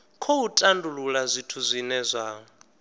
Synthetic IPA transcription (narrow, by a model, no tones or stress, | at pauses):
kʰowutʼandululazʷitʰuzʷinɛzʷaːɔ